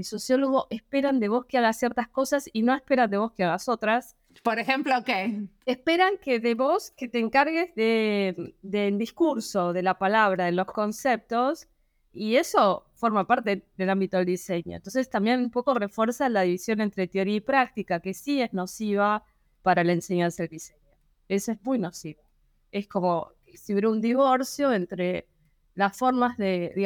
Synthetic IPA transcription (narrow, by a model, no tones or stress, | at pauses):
elso̞sjo̞lo̞ɣ̞o̞ʔe̞spe̞ɾand̪e̞β̞o̞skeaɣasjeɾt̪asko̞sasino̞e̞hpe̞ɾand̪eβo̞skeaɣaso̞t̪ɾas | poɾexemplokeespe̞ɾaŋkeðeβo̞sket̪eːŋkaɾɣezðe̞ | d̪eld̪iskuɾso̞ðe̞lapalaβ̞ɾaðelo̞sko̞nsep̚t̪o̞s | ie̞so̞fo̞ɾmapaɾt̪e̞ðe̞lambit̪o̞ðeld̪ise̞ɲo̰nt̪onsest̪ambje̞numpo̞ko̞re̞fwe̞ɾsalaðiβisjo̞ne̞nt̪ɾe̞t̪eo̞ɾiaipɾak̚t̪ikake̞sie̞zno̞siβ̞a | paɾalaense̞ɲansaðeld̪iseɲo | esoezmujnosiβo | e̞sko̞mo̞ksiβɾeund̪iβo̞ɾsjo̞ent̪ɾe | lasfo̞ɾmazðei